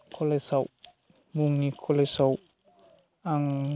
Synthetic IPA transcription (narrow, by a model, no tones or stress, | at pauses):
kʰolesaw | muŋnikʰolesaw | aŋ